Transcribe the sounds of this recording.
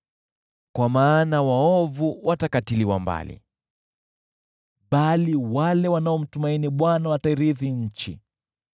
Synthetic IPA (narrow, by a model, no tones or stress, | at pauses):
kwamaːnawaɔvuwʔatakatiliwamba̰lḭ | ɓaliwalɛwanaɔm̩tumainiɓwanawataiɾiðiɲ̩t͡ʃi